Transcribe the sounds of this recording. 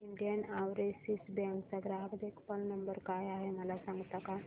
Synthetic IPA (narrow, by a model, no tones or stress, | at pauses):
iɳɖijənaʋɾesisbɛ̃ŋkt͡saɡɾaɦəkd̪ekpəlnəmbəɾkajaɦeməlasãŋɡt̪aka